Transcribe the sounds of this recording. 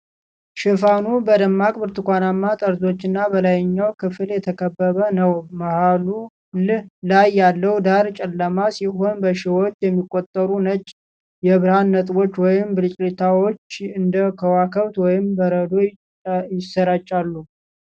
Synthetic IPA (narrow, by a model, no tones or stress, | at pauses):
ʃɪfanubəd̪əmːakʼbɨɾt̪ʰɨkʷʰanamːat̪ʼəɾzo̞t͡ʃːɪnːabəlajɲːawkʰɨfɨljɛt̪ʰəkʰəbːəβənəwmahalu | llajːalːəwd̪aɾt͡ʃʼɛlːəmasiɦo̞nbəʃɪwo̞t͡ʃːjɛmːikʼːot̪ʼːəɾunət͡ʃʼ | jɛβɨɾhanːət̪ʼbo̞t͡ʃːwɔjɪmbɨɾit͡ʃʼlit̪ʰawo̞t͡ʃːɨnd̪əkʰəwakʰəβt̪wɔjɪmbəɾəd̪o̞ | jɪsːəɾat͡ʃʼːalːu